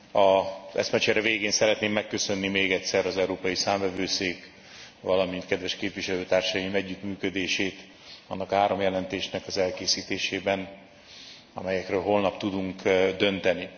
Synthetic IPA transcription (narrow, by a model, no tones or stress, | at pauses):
ɒzɛ̰smɛt͡ʃɛɾɛveːɡeːnsɛɾɛt̪neːmːɛkːø̞sø̞nːimeːɡɛtʲsɛɾɒzɛuɾoːpɒjisaːɱvɛvøːseːk | vɒlɒmint̪̚kɛd̪vɛʃkeːpviʃɛløːt̪aːrʃɒjimɛɟːikmyːkød̪eːʃeːt̪ | ɒnːɒkhaːɾo̞mjɛlɛnt̪eːʃnɛkɒzɛlkeːsiːt̪eːʃeːbɛn | ɒ̰mɛjɛkrøːlɦo̞lnɒpt̪ud̪uŋkd̪ø̞nt̪ɛni